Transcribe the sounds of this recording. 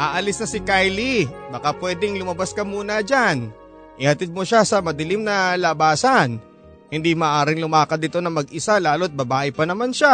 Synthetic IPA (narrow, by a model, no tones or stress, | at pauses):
ʔaːʔɐlɪsnɐsɪkajlibɐkapwɛːd̪ɛŋlʊmɐbaskɐmuːnɐd͡ʒan | ʔɪhɐt̪ɪd̪̚moʃasɐmɐd̪ɪlɪmnɐlɐbaːsɐn | hɪnd̪imaːʔaːɾɪŋlʊmaːkɐt̪̚ɪt̪o̞nɐŋmɐɡ̚ɪsalaːlot̪̚bɐbaːʔɪpɐnɐmanʃa